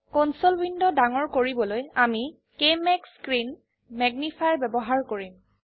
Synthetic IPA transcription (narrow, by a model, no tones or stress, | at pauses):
kɔnsɔlbindɔdaŋɔɹkoɹibɔlojami | kemɛkskɹin | mɛɡnipʰajɹbɛbɔɦaɹkoɹim